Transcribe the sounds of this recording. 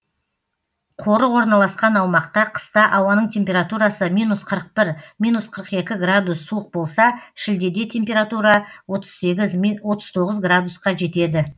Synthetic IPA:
qʰo̞ɾəwo̞ɾnɑlˠɑsqɑnɑwmɑqt̪ɑqʰə̥st̪ɑʔɑwɑnəɴt̪ʰe̞mpʲe̞ɾat̪uɾɑsəmijnusqʰəɾəq̚pɪɾmijnusqʰəɾəqe̞kʲɪɡrad̪usːuəq̚bo̞lˠsɑʃɪld̪e̞d̪e̞t̪ʲʰe̞mpʲe̞ɾat̪uɾɑwot̪ə̥z̥seɡʲɪzwo̞t̪əzt̪ʰo̞ʁəzɡrad̪usqɑʒe̞t̪e̞d̪ɪ

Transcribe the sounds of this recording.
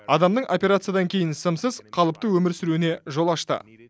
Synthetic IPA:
ɑd̪ɑmnəɴʔo̞pʲe̞ɾat̪sɨjad̪ɑŋkʲʰe̞jɪnsəmsəzqʰɑlˠəp̚t̪əwɵmɪɾsʏɾune̞ʒo̞lˠɑʃt̪ə̰

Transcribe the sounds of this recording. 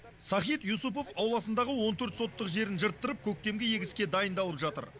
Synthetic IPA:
sɑχijt̪jusup̬o̞fɑwlˠɑsənd̪ɑʁəwo̞nt̪ʰɵɾt̪so̞t̪ːəqʒe̞ɾɪnʒəɾt̪ːəɾəp̚kʲʰɵk̚t̪e̞mɡʲɪje̞ɡʲɪskʲe̞d̪ɑjənd̪ɑlˠəpʒɑt̪ə̰ɾ

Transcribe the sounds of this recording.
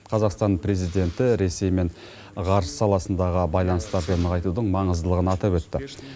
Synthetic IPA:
qʰɑzɑqst̪ɑnpʰɾe̞zijd̪e̞nt̪ɪɾe̞se̞jme̞ɴ | ʁɑɾssɑlˠɑsənd̪ɑʁəbɑjlˠɑnəst̪ɑɾd̪ənəʁɑjt̪ud̪əɴmɑɴəzd̪əlˠəʁənɑt̪ɑpwɵt̪ːɪ

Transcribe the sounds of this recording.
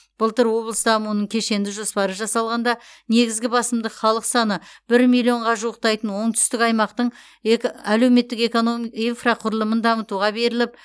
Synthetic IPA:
b̥ʊlˠt̪əɾwo̞blˠəst̪əɑmunəɴkʲʰe̞ʃe̞nd̪ɪʒo̞spɑɾəʒɑsɑlˠʁɑnd̪ɑne̞ɡʲɪzɡʲɪbɑsəmd̪əχɑlˠəqsɑnəb̥ɪɾmilʲˠio̞ɴʁɑʒuəq̚t̪ɑjt̪ənwo̞ɴt̪ʰʏst̪ɪkɑjmɑqt̪əɴ | æle̞wme̞t̪ːɪkekoinfraqʰʊɾəlˠəmənd̪ɑmət̪uʁɑbe̞ɾɪlɪp̚

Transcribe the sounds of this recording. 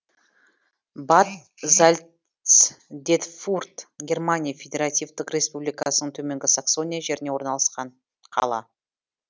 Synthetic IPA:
bat̪ | zalʲ | s | d̪e̞t̪furt̪ɡʲe̞rmanʲijafʲed̪ʲe̞ɾat̪ʲijvt̪ɪqrʲe̞spublijkɑsənəɴt̪ʰɵme̞ŋɡʲɪsaqso̞nʲijaʒe̞ɾɪne̞wo̞ɾnɑlˠɑsqɑɴ | qʰɑ̰lˠɑ̰

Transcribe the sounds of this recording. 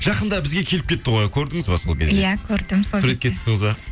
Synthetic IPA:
ʒ̥ɑqənd̪ɑbɪzɡʲe̞kʲʰe̞lɪp̚kʲe̞t̪ːɪʁojkʲʰɵɾd̪ɪŋəzbɑso̞lˠkʲʰe̞zjejækʲʰɵɾd̪ɪmssuɾe̞t̪̚kʲʰeɪ̥st̪ɪŋɪzbɑ

